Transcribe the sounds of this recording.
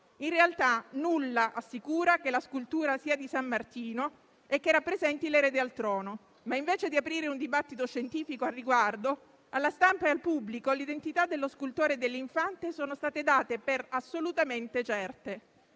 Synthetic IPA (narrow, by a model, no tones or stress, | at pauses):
inrealt̪anulːaʔasːikuːɾakelaskult̪uːɾasiːad̪isamːart̪iːno | ekːerapːɾezɛnt̪ileɾeːd̪ealt̪ɾɔːno | maiɱveːt͡ʃed̪iapɾiːɾeund̪ibat̪ːit̪oʃːent̪iːfikoarːiɡward̪o | alːast̪ampaealpublikolid̪ent̪it̪ad̪elːoskult̪oːɾed̪elːiɱfant̪esoːnost̪aːt̪ed̪aːt̪eperasːolut̪ament̪et͡ʃɛrt̪e